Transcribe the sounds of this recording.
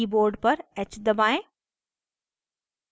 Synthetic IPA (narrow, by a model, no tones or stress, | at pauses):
iboːɾɖpɐɾɛt͡ʃd̪ɐbaːẽ